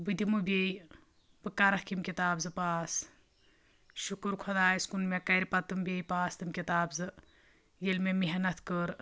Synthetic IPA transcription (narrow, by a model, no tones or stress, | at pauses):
bɨd̪imɨbʲej | bɨkɐɾɐkimkʲit̪aːbzɨpaːs | ʃukuɾkʰod̪aːjiskunmekɐɾʲipɐt̪ɨmbʲejpaːst̪ɨmkʲit̪aːbzɨ | jelmemiɦɐnɐt̪ʰkəɾ